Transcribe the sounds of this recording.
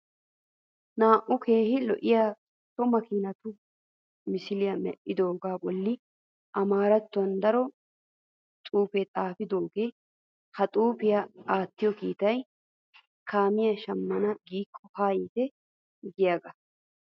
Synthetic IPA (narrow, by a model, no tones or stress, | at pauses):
naːʔʊkʰeːhɪlɔ̰ʔɪjaː | t̪ːɔmɐkiːnɐt̪ʊ | mɪsɪlɪjɐmɛ̰ʔʔɪd̪oːɡaːbɔlːɪ | ʔɐmaːɾɐt̪ːʊɐnd̪ɐɾɔ | t̪ʼuːpɛt̪ʼaːfɪd̪oːɡeː | hɐt̪ʼuːpɪjaaːt̪ːɪjɔkiːt̪ɐj | kʰaːmɪjɐʃɐmːɐnɐɡiːkʰːɔhaːjiːt̪ɛ | ɡɪjaːɡɐ